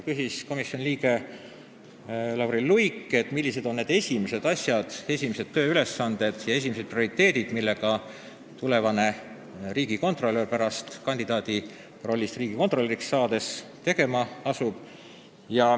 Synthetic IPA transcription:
kysisko̞misjo̞nʲliːɡe̞ | lɑwɾillujkːˑe̞t̪ːˑmilʲːise̞d̪o̞nːe̞ːd̪e̞sʲimise̞d̪̥ɑsʲjɑd̪̥e̞sʲimise̞t̪ːøːyle̞sːɑnd̪̥e̞d̪̥jɑe̞s̬ʲimise̥prioɾit̪ˑːe̞ːd̪̥id̪̥milːe̞ɡ̥ɑ | t̪ule̞vɑne̞ | riːɡiko̞nt̪ˑro̞lːerpæɾɑst̪kɑnʲd̪̥id̪̥ɑːd̪i | ro̞lʲːist̪riːɡ̥iko̞t̪ro̞lʲːeɾiksːɑːd̪e̞st̪e̞ɡ̥e̞mɑɑsub̥ | jɑ

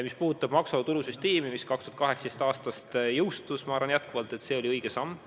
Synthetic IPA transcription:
mispuːut̪ːˑɑb̥mɑksot̪ulusyst̪e̞ːmimiskɑkst̪uɑt̪kɑɦheksed̪est̪ɑːst̪ɑst̪jɤwst̪usmɑɑːɾvɑnjæt̪̚kuvɑlt̪ːˑe̞t̪se̞ːo̞lʲiɤjɡ̥esɑmː

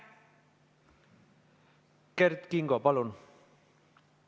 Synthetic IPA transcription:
kɛɾt̪kiŋɡɔpalon

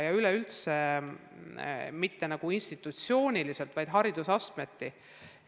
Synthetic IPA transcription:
jɑyleylt̪se | mit̪ːe̞nɑɡ̥uinst̪it̪ːˑut̪sio̞ːnʲilise̞lt̪vɑjd̪̥ɦɑɾid̪̥usɑst̪me̞t̪ːi

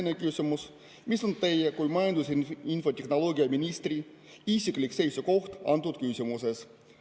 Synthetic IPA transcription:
nʲekysʲumus | miso̞nt̪e̞jekujmɑjɑnd̪usinfot̪ʲexno̞loːɡiɑminʲist̪ri | isiklikse̞jsuko̞xt̪ɑ̰nt̪ːut̪kysʲimuses

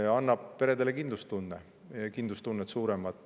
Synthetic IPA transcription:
ɑnːɑb̥̚pe̞ɾe̞d̪elekind̪lust̪unːe | kind̪lust̪unːet̪suːɾemɑt̪ˑː

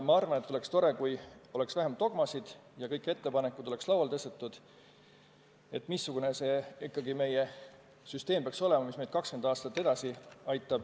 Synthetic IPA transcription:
mɑɑrvɑnet̪ːˑole̞kst̪o̞ɾe̞kujo̞le̞ksvæɦemt̪ːo̞ɡ̥mɑsid̪̥jɑkɤ̞jkːˑe̞t̪ːe̞pɑnekːˑud̪̥o̞le̞kslɑwɑlt̪ɤst̪et̪ːˑud̪̥ | e̞t̪ːˑmisːuɡ̥unese̞ːikːˑɑɡime̞je | syst̪e̞ːmb̥eɑkso̞lɛmɑmismejd̪̥kɑkskend̪ɑːst̪ɑt̪ːe̞d̪ɑsiɑjt̪ːˑɑb̥

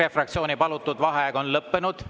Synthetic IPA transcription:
efrɑk̚t̪sio̞ːnipɑlut̪ːˑud̪vɑɦeɡ̥o̞nlɤpːenud̪̥

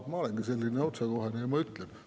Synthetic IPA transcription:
t̪mɑoleŋɡ̥iselʲːineot̪sekoɦeniemɑyt̪len

